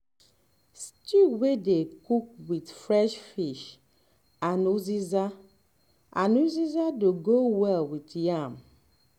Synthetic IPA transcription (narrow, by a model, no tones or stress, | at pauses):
stuwedekuk̚wid̪fɾɛʃfiʃ | anuziza | a̰nuzizadoɡowɛlwit̪jam